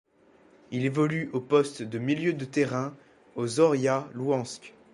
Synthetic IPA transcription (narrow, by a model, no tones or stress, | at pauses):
ilevɔlyʔopɔst̪d̪əmiljød̪ət̪ɛʁɛ̃ | ozɔʁjaluɑ̃skʲ